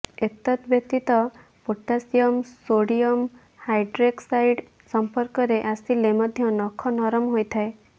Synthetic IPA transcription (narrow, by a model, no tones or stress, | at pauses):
et̪at̪bjek̚t̪it̪ɔ | poʈːasijɔmsoɽiɔm | hajɖɾeksajɖ | sɔmpɔɾkɔɾeʔasilemɔd̪ʱjɔnɔkʰɔnɔɾɔmɦojt̪ʰae